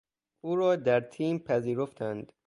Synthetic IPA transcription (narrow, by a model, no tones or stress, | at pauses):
uːɾɒːd̪æɾt̪ʰiːmpʰæziːɾoft̪ʰænd̪̥